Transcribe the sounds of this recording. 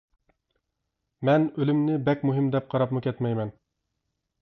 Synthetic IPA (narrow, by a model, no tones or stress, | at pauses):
mɛnølymnɪbɛkʲmuɦɪmd̪ɛp̚qʰɑɾɑpmʊkʲɛt̪mɛjmɛn